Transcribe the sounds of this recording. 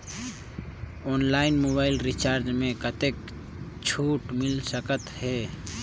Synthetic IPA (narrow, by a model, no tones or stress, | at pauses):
ɔːnlaːɪnmoːbaːɪlɾit͡ʃaːɾd͡ʒmẽkət̪ek | t͡ʃʰuːʈmɪlsəkət̪hɛː